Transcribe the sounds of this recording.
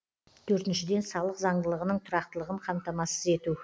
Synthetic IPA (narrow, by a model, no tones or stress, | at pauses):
t̪ʰɵɾt̪ɪnʃɪd̪e̞nsɑlˠəqzɑɴd̪əlˠəʁənəɴt̪ʰʊɾɑqt̪əlˠəʁəɴqʰɑmt̪ɑmɑsəze̞t̪u